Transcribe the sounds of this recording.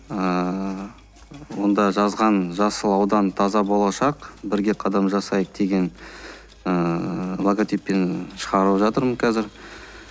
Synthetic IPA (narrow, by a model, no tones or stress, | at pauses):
ə | wo̞nd̪ɑʒɑzʁɑnʒɑsəlˠɑwd̪ɑnt̪ʰɑzɑbo̞lˠɑʃɑqbɪɾɡʲe̞qʰɑd̪ɑmʒɑsɑjəq̚d̪̥e̞ɡʲe̞n | əlˠoɡot̪ʲijpːe̞nʃəʁɑɾəʒɑt̪əɾməɴkʲʰæzɪɾ